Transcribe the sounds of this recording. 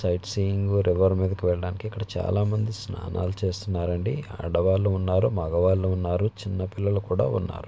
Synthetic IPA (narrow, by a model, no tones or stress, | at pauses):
sɐjʈsijiŋɡuɾʔiʋɐɾmiːd̪ɐkiʋɛɭːɐɽaːnikiɐkːɐɽɐt͡ʃa̰ːlaːmɐnd̪isna̰ːna̰ːlut͡ʃe̞ːst̪unːaːɾɐɳɖiɐ̰ɽɐʋaːlːuunːaːɾumɐɡɐʋaːlːuunːaːɾut͡ʃinːɐpilːɐlukuːɽa̰ːunːa̰ːɾu